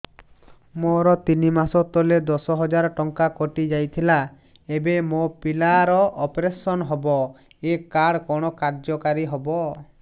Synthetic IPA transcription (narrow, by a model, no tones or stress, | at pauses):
moɾɔt̪inimasɔt̪ɔled̪ɔsɔɦɔd͡ʒaɾɔʈɔŋkakoʈid͡ʒajt̪ʰila | ebemopilaɾɔʔɔpɾesɔnɦɔbɔ | ekaɽkɔɽ̃ɔkaɾd͡ʒɔkaɾiɦɔbɔ